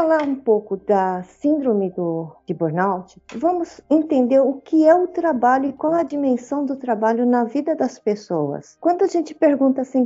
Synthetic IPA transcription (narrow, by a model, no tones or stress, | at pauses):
falaɾũpowkʊd̪ɐsĩnd̪ɾõmɪd̪ʊd͡ʒɪboɾnawt͡ʃɪvɐ̃mʊzẽnt̪ẽnd̪eɾʊkɪɛʊt̪ɾabaʎʊɪkwawɛɐd͡ʒimẽsɐ̃w̃d̪ʊt̪ɾabaʎʊnɐvid̪ɐd̪ɐspesowɐ̰skwɐ̃nd̪ʊɐʒẽnt͡ʃɪ̥peɾɡũnt̪ɐasĩ